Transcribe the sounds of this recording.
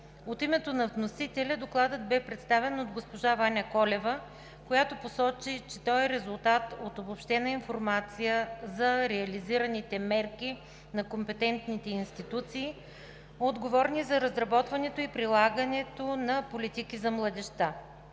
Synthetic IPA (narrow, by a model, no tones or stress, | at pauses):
ot̪imɛt̪onɐvnosit̪ɛlʲɐd̪oklˠad̪ət̪̚bɛpɾɛt̪st̪avɛnod̪ɡospoʒavanʲɐkɔlɛvə | kojat̪oposɔt͡ʃit͡ʃɛt̪ɔɛɾɛzulˠt̪at̪ot̪obopʃt̪ɛnɐinfoɾmat̪sijəzɐɾɛɐliziɾɐnit̪ɛmɛɾki | nɐkompɛt̪ɛnt̪nit̪ɛinst̪it̪ut̪siː | od̪ɡovɔɾnizɐɾɐzɾɐbɔt̪vɐnɛt̪oipɾilˠaɡənɛt̪onɐpolit̪ikizɐmlˠɐd̪ɛʃt̪a